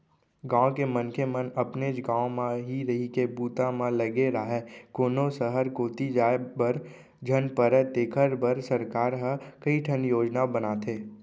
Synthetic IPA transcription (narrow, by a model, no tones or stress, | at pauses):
ɡãːõkemənkʰemənəpned͡ʒɡãːõmãɦiɾɐɦikebuːt̪ãmãləɡeɾaːɦɛkoːnõsəɦəɾkoːt̪id͡ʒaːebəɾ | d͡ʒʱənpəɾət̪eːkʰəɾbəɾsəɾkaːɾɦəkəiʈʰənjoːd͡ʒnabənaːt̪ʰeː